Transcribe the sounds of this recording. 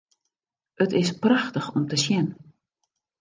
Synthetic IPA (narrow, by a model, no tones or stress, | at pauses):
ətɪspraxtəxɔmtəsjɛn